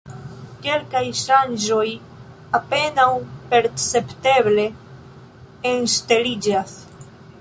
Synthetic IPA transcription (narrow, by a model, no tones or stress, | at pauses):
ke̞lkajʃand͡ʒo̞j | ape̞nawpe̞ɾt͡se̞pte̞ble̞ | nstelid͡ʒas